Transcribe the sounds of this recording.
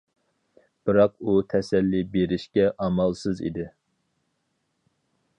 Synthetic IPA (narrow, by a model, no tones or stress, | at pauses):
b̥ɨɾɑq̚ut̪ʰɛsɛlːibeɾɪʃkʲɛʔɑmɑlˠsɨzḭd̪ɪ